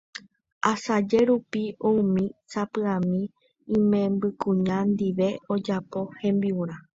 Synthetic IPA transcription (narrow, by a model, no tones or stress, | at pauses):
asad͡ʒe̞ɾupiõũmĩsapɨãmĩː | mẽ̞mbɨkũɲãnd̪iʋe̞od͡ʒapo̞hẽ̞mbiuɾ̃ã